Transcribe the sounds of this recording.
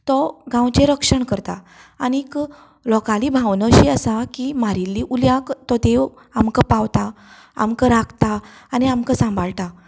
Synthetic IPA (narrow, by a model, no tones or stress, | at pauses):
t̪ɔɡãwt͡ɕeɾəkʂəɳkəɾt̪a | anik | lɔkalibʱãʋnəɕiasakimaɾilːiʔuljakt̪ɔd̪eʋ | amkəpawt̪a | a̰mkəɾaɡt̪aːniamkasãmbʱaɭt̪a